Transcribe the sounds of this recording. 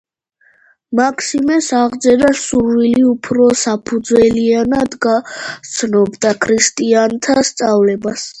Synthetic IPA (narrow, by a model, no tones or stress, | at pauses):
makʰsimɛsaʁd̪zɛɾasuɾviliupʰɾɔsapʰud̪zwɛlianad̪ɡat̪sʰnɔbd̪akʰɾist̪ʼiant̪ʰast̪sʼavlɛbas